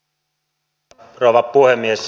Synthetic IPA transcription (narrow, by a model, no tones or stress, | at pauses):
roˑʋɑppuhemːies